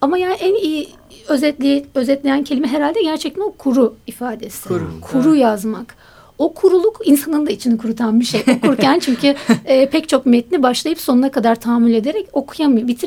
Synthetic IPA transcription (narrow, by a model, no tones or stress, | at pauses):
amajaːniʔæniji | øzɛø̞zɛt̪lʲe̞jæncʰelʲimɛɦeɾalʲd̪ɛɟæɾt͡ʃʰɛc̚t̪ʰæno̞kʰuɾuifaːd̪e̞sɪkʰuɾujazmak | o̞kʰuɾulˠukinsanɯnd̪ait͡ʃʰinikʰuɾut̪ʰanbiʃejokʰuɾcʰænt͡ʃʰyɲcʰyːpʰɛct͡ʃʰo̞kmet̪̚nibaʃlˠajɯpso̞nunakʰad̪aɾt̪ʰaːmulʲe̞d̪e̞ɾɛco̞kʰujamɯjobit̪ʰiɾ